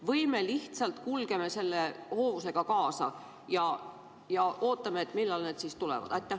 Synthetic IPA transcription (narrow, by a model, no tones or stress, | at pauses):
vɤjme̞liht̪sɑlt̪kulɡ̥e̞me̞se̞lːe̞ho̞ːvuse̞ɡ̥ɑkɑːsɑ̰ | jɑ | jɑʔoːt̪ˑːɑmeːt̪ːmilːɑlneːd̪sist̪ulḛvɑ̰d̪̥ɑjt̪ːˑe